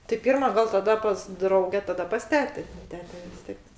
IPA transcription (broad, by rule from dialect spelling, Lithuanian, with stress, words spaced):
tʲɪ ˈpʲiːrmɐ ɡɐlˠ tɐˈdɐ pɐs ˈdrɐʊɡʲɛ tɐˈdɐ pɐs ˈtʲæːtʲeː ˈtʲæːtʲɛ ʋʲɪs ˈtʲiɛk